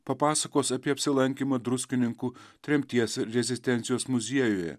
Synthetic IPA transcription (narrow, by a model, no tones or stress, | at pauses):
pɐpɑːsɐkoːsɐpʲiɛɐpʲsʲɪlˠɐŋʲkʲiːmɐd̪ɾʊsʲkʲɪnʲɪŋkuːt̪ʲɾʲɛmʲt̪ʲiɛsɾʲɛzʲɪsʲt̪ʲɛnt̪sʲɪjoːsmʊzʲiɛjoːjɛ̰